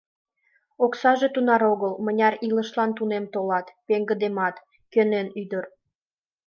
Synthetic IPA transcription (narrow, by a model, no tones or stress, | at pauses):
oksɑʒet̪unɑɾoɣəlmənʲɑɾiləʃlɑnt̪unemt̪olɑt̪peŋɡəd̪emɑt̪ | kønenyd̪ər